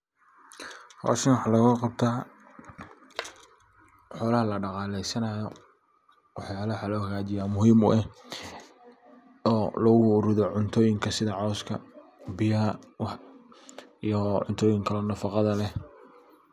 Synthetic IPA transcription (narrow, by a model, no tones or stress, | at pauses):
hɔ̰ːʃɪnwɑħɑlɐɣqɑb̚t̪ʰaː | ħɔːlɐhɐlɐɖɑqɑːlɛjsɐnɐjɔ | wɑħjaːlɐħɑlɔːhɐɣaːt͡ʃɪjamʊɦiːmʊ̰ɛh | ɔːlɔɣʊʊɾɪðɔʕʊnt̪ʰɔːjɪŋkʰɐsɪðɐʕɔskʰɐbɪjɐɐwɑħ | ijɔʕʊnt̪ʰɔːjɪŋkʰɐlɔnɐfɑqɑðɐlɛ